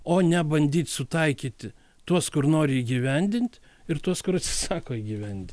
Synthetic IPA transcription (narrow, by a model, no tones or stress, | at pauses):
oːnʲɛbɐnʲd̪ʲiːt̪ʲsʊt̪ɐɪkʲiːt̪ʲɪ | t̪uɔskʊrnoːɾʲɪiːɡʲiʋʲɛnʲd̪ʲɪnʲt̪ʲ | ɪɾt̪uɔskʊɾɐt̪sʲɪ̥sɑːkoːiːɡʲiːʋʲɛnʲt̪ʲ